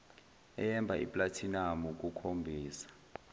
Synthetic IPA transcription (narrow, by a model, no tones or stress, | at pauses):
ɛ̰jɛmbʱaʔḭpʼlatʰinamuk̬ʼukʰombʱiːsḁ